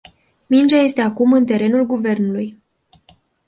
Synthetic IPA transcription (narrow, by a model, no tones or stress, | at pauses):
mind͡ʒaje̞st̪e̞akumɨnt̪e̞ɾe̞nulɡuve̞rnuluj